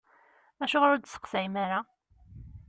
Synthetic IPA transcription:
æʃʊʁɾʊɾd̪sə̥qsæjmaɾa

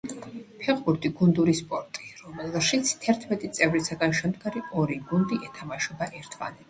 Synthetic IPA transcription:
pʰɛʁbuɾt̪ʼiɡund̪uɾispʼɔɾt̪ʼiɾɔmɛlˠʃit̪sʰt̪ʰɛɾt̪ʰmɛt̪ʼit̪sʼɛvɾisaɡanʃɛmd̪ɡaɾiɔɾiɡund̪iʔɛt̪ʰamaʃɔbaʔɛɾt̪ʰma̰nɛ

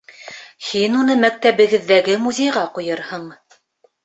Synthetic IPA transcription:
hinunɤmæk̚t̪æβɘ̆ɡɘ̆ðːæɡɘmuzʲejʁɑqujɤɾhɤɴ

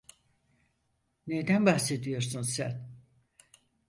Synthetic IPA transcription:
nejd̪ænbaxse̞d̪ijo̞ɾsunsæn

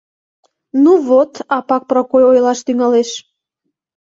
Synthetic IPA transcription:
nuβot̪ɑpɑk̚prokojojlɑʃt̪yŋɑleʃ

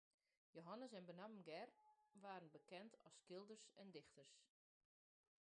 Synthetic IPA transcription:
joɦanəsɛnbənammɡɛrʋaːɾənbəkɛntʰɔskɪlˠdərsɛndɪxtərs

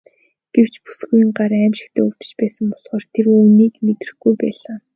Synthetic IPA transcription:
ɡ̥ew̥t͡ɕpu̥sɡujĭŋɢaɾæːmʃɪ̆kt̪ʰæːuwt̪ɘ̥̆t͡ɕpæːsə̆mpɔɮχɔːrt̪ʰerɵːwniːkmet̪rɘ̆xɡujpæːɮaː

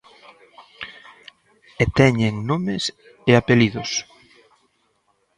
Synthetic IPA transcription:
et̪ɛɲeŋnomɪs | eapeliðʊs

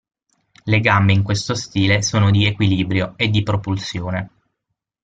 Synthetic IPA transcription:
leɡambeiŋkwest̪ost̪iːlesoːnod̪iekwiliːbɾjoed̪ːipɾopulsjoːne

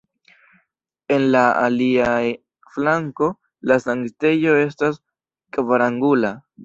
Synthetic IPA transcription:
e̞nlaa̰lia | flaŋko̞ | lasaŋɡte̞jo̞e̞stas | kvaɾaŋɡula

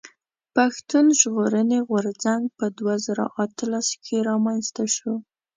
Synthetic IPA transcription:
paxt̪unʒɣoɾəneɣwaɾzaŋɡ̚pəd̪wazaɾa̰ʔat̪əlaskʰeɾɑmanst̪aʃo

